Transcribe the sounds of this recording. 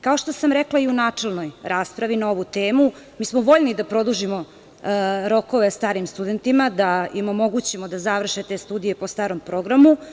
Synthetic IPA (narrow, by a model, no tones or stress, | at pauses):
kaoʃt̪osamɾeklaiunaːt͡ʂelˠnojɾaːspɾaʋinao̞ʋut̪eːmu | miːsmoʋo̞ʎnid̪apɾo̞d̪uʒimo | ɾo̞ko̞ʋest̪aːɾimst̪ud̪e̞nt̪imad̪aimomo̞ɡut͡ɕemod̪azaʋr̩ʃet̪e̞ːst̪uːd̪ije̞po̞st̪aːɾo̞mpɾo̞ɡɾamu